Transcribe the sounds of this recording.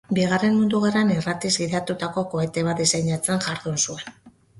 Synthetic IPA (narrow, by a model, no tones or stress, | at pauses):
biɣare̞nmund̪uɣ̞aranirat̪izɡiðat̪ut̪ako̞ko̞e̞t̪e̞βat̪d̪isajɲat͡senʝaɾðunsue̞n